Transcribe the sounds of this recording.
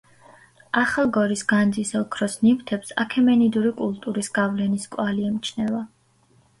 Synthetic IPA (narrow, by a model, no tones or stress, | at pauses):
aχalˠɡɔɾisɡand̪zisɔkʰɾɔsnimt̪ʰɛpsa̰kʰɛmɛnid̪uɾikʼulˠt̪ʼuɾisɡ̥avlɛniskʼwaliɛmt͡ʃʰnɛva